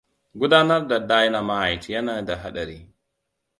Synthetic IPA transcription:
ɡʊ˦daː˦na˦ɾda˨daː˦ji˦na˨ma˦a˨jti˨ja˦naː˨˦da˨ɦa˦ɗa˨ɾiː˦

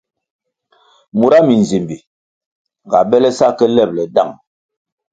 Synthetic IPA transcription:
mu˨ɾa˦mi˨nze˨mbi˨ | ŋ˨ɡa̰˨bɛ˦lɛ˦sa˦kɛ˦lɛ˦˨p̚lɛ˨da˦˨ŋ

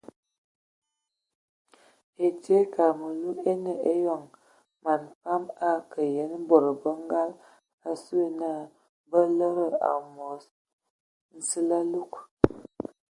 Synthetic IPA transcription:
e˨te˦ka˨mə˨lu˦e˦nə˨e˦jɔ˨ŋ | ma˨nfa˦ma˦kə˨je˨˦n˦bo˨ɾə˨bə˦ŋ˦ɡa˦l | a˨su˦e˦na˦˨ | bə˦lə˦ɾə˦a̰˨mo˨s | n̩˨sə˦la˦lu˦k

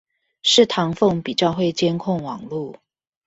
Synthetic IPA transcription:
ʂɻ̩˥˨t̪ʰɑ˧˥ŋfɤ˥˨ŋpi˨˩t͡ɕjɑ˥˧ʊxwe˥˩ɪt͡ɕjɛ˥nkʰʊ˥˩ŋwɑ˨˩ŋlu˥˨

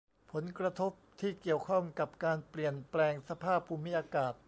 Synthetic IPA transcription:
pʰo˩˦nkɾa˧t̪ʰo˦˥p̚t̪ʰiː˥˩ki˨˩əwkʰɔ˥˩ŋka˨˩p̚kaː˧npli˨˩ənplɛː˧ŋsa˧pʰaː˥˩pʰːuː˧mi˦˥ʔaː˧kaː˨˩t̪̚

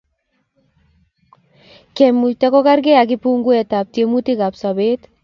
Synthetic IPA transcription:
kɛ˨mːu˨tɛ˦kɔ˦ka˦rɡe˦a˨k̬ɪpuŋɡu˦ɛ˨ta˨p̚tje˨muti˦ka˨psa˨be˦t̪

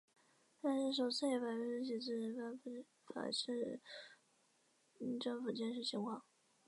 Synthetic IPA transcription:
t̪a˥˧nʂɻ̩˥˩ʂ̬o˨˩ʊt͡sʰɹ̩˥˩jɛ˧˥fa˨˩ʈ͡ʂɥɛ˥ʂɻ̩˥˩t͡ɕi˨˩t͡s̩˥˩˥fa˥nfu˧˩˥ | fa̰˨˩ʂɻ̩˥˧˥ | ʈ͡ʂɤ˥˩ŋfu˨˩t͡ɕjɛ˥˧nʂɻ̩˥˩t͡ɕʰi˧˥ŋkʰwɑ˥˩ŋ

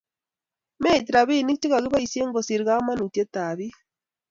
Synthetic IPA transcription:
me˦˨ti˨ɾa˨βi˦ni˦kti˦ka˨ɣi˦βa˦i˨se˦ŋɡo˨si˨ɾɣa˦ma˦nu˨te˦ta˨βi˦

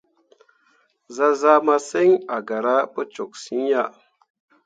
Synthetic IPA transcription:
za˦za˦ma˦se˦ŋa˨ɡa˨ɾa˦pə˦t͡ʃo˨k̚si˦ɲja˦˨

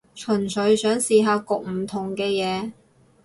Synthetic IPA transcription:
t͡ʃʰɵ˨˩nsɵ˨˧ɥsœː˨˥ŋsiː˨˧ɦaː˧kʊ˨k̚m̩˨˩t̪ʰʊ˨˩ŋkɛː˧jɛː˨˧

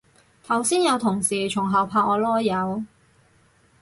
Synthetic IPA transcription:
t̪ʰɐ˨˩wsiː˥njɐ˨˧wt̪ʰʊ˨˩ŋsiː˨˩t͡ʃʰʊ˨˩ŋɦɐ˨wpʰaː˧k̚ɔː˨˧lɔː˥jjɐ˨˧w

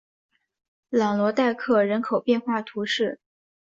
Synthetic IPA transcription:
lɑ˨˩lwɔ˧˥t̪a˥˧ɪkʰɤ˥˩ɻə˧˥nkʰo˨˩ʊpjɛ˥˧nxwa˥˩t̪ʰu˧˥ʂɻ̩˥˩

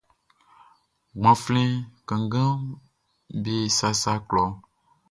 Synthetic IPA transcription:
ɡ͡bã˨flĩ˦kə̃˨ŋɡã˦ | be˦˨sa˦sa˦klɔ˨

